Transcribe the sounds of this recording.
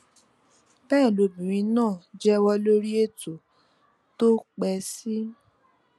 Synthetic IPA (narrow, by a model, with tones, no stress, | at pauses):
bɛː˦˨lo˨˦bĩ˨ɾ̃ĩ˧nãː˦˨d͡ʒɛ˦wɔ˧lo˦ɾi˦e˦˨to˨ | to˦k͡pɛ˧si˦